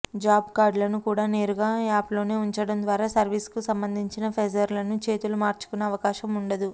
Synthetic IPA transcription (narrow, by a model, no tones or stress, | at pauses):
d͡ʒaːbkaːɾɖlɐnukuːɽaːne̞ːɾuɡaːaːplo̞ːne̞ːuɲt͡ʃɐɽɐnd̪ʋaːɾaːsɐɾʋiːskusɐmbɐnd̪ʱiɲt͡ʃinɐpʰed͡ʒɐɾlɐnut͡ʃe̞ːt̪ulumaːɾt͡ʃu̥kunːɐːʋɐkaːʃɐmuɳɖɐd̪u